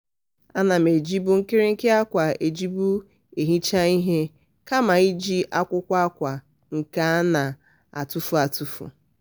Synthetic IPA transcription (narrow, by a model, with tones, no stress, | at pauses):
a˦na˨m̩˨e˨d͡ʒi˦bu˦ŋ̩˦kɪ˦ɾɪ˦ŋ̩˦kɪ˦a˦kʷa˨e˨d͡ʒi˦bu˦ | e˨ɦi˦t͡ʃa˦i˦ɦe˦ | ka˦ma˨i˦d͡ʒi˦ʔa˦kʷʊ˦kʷa˦a˦kʷa˨ | ŋ̩˨ka˦na˨ | a̰˨tu˦fu˨˦a˨tu˦fṵ˨